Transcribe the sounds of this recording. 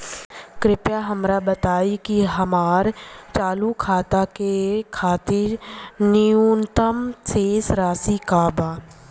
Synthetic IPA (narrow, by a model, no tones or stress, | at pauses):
kɾɪpjaɦɐmɾabət̪aːikiɦɐmaːɾt͡ʃaːlukʰaːt̪akekʰaːt̪ɪɾniuːnt̪əmseːsɾaːsikaːbaː